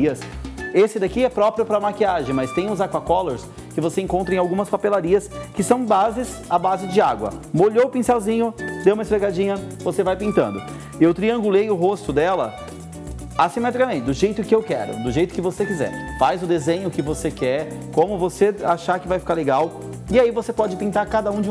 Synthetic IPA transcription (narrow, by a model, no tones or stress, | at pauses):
ɐsesɪd̪akiɛpɾɔpɾiʊpɾɐmakiaʒẽj̃mɐst̪ẽj̃uzaɾkakɔloɾs | kɪvoseẽŋkõnt̪ɾẽawɡũmɐspapelaɾiɐskɪsɐ̃w̃bazɪz | abazɪd͡ʒɪaɡwɐ̰moʎoʊpĩsawzĩɲʊd̪ewumɐɪsfɾeɡad͡ʒĩɲɐvosevajpĩnt̪ɐ̃nd̪ʊ | ewt̪ɾiɐ̃ŋɡulejʊɦost̪ʊd̪ɛlɐ̰ | asimɛt̪ɾikamẽnt͡ʃɪd̪ʊʒejt̪ʊkɪewkɛ̰ɾʊ̰d̪ʊʒejt̪ʊ̥kɪvosekizɛ̰ɾfajzʊd̪ezẽɲʊkɪvosekɛɾ | kõmʊvoseaʃaɾkɪvajfi̥kaɾleɡaw | ɪaivosepɔd͡ʒɪpĩnt̪aɾkad̪ɐũd͡ʒɪ̃